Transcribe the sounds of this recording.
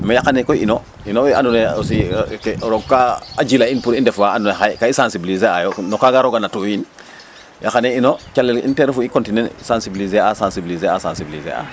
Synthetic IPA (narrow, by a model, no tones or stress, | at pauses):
majakanekoḭno | inoa̰nuneos̬ikɾoɡkaad͡ʒilainpuɾindɛfaandunexajkaisansibilizeajonokaɡaɾoɡanatuin | jakaneinot͡ʃalːelḭnteɾfuikontinensãnsibilizeasãnsibilizeasansibilizḛa̰